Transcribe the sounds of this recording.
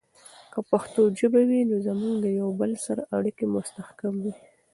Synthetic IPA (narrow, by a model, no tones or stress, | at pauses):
kapaxt̪od͡ʒəbawinozamuɡd̪əjawbəlsaɾaʔaɽikemʊst̪axkamwi